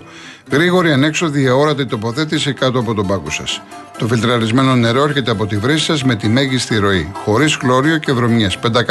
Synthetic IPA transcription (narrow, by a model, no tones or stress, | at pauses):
ɣɾiɣo̞ɾiɐne̞kso̞ðiɐo̞ɾɐt̪ɐit̪o̞po̞θe̞t̪isikɐt̪oɐpo̞t̪o̞bɐkosɐ̰s | t̪o̞filt̪ɾɐɾizme̞no̞ne̞ɾo̞eɾçe̞t̪e̞ɐpo̞t̪ivɾisi̥sɐzme̞t̪ime̞ʝist̪iɾo̞ixo̞ɾizɣlo̞ɾio̞ce̞vɾo̞mɲespe̞nd̪ɐk